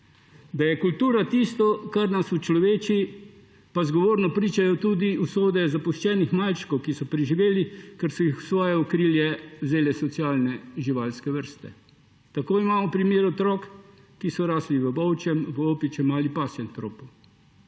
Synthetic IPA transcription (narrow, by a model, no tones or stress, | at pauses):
d̪ajɛkult̪uːɾat̪ist̪ɔkaɾnasut͡ʃlɔʋeːt͡ʃi | pazɡɔʋoːɾnɔpɾiːt͡ʃajɔt̪uːd̪iusoːd̪ɛzapuʃt͡ʃɛːnixmalt͡ʃkɔwkisɔpɾiʒiʋeːlikɛɾsɔjixu̥sʋɔːjɛukɾiːljɛwzeːlɛsɔt̪siaːlnɛʒiʋaːlskɛʋəɾst̪ɛ̰ | t̪akoːimaːmɔpɾimjeːɾɔt̪ɾɔkː | isɔɾaːsliʋəbɔwt͡ʃɛmʋəoːpit͡ʃɛmalipaːsjɛnt̪ɾoːpu